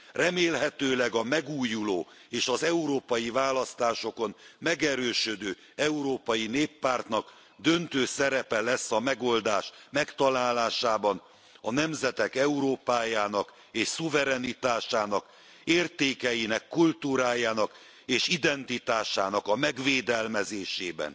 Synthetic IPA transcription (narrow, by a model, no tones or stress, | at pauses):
rɛmeːlɦɛt̪øːlɛɡɒmɛɡuːjuloː | eːʃɒzɛuɾoːpɒjivaːlɒst̪aːʃo̞ko̞nmɛɡɛɾøːʃød̪øː | ɛuɾoːpɒjineːpːaːrt̪nɒk | d̪ø̞nt̪øːsɛɾɛpɛlɛsːɒmɛɡo̞ld̪aːʃmɛkt̪ɒlaːlaːʃaːbɒn | ɒnɛmzɛt̪ɛkɛuɾoːpaːjaːnɒk | eːʃsuvɛɾɛnit̪aːʃaːnɒk | eːrt̪eːkɛjinɛkːult̪uːɾaːjaːnɒk | eːʃid̪ɛnt̪it̪aːʃaːnɒkɒmɛɡʋeːd̪ɛlmɛzeːʃeːbɛ̰n